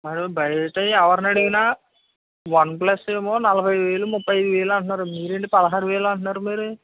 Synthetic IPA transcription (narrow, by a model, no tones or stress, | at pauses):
mɐɾubɐjɐʈɐjiɐʋɐɾɐnɐɽiɡina | ʋɐnp̬lɐsːeːmoːnɐlɐbʱɐjʋeːɭumupːɐjɐd̪iʋeːɭɐɳʈunaːɾumiːɾeɳʈipɐðɐɦaːɾuʋɛːɭɐɳʈunaːɾumiːɾu